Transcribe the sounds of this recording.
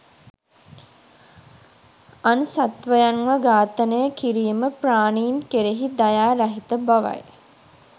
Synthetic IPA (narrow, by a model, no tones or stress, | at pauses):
ansat̪ʋəjanʋəɡaːt̪ənəjəkiɾiːməpraːniːnkeɾeɦid̪ajaːɾaɦit̪əbaʋa̰j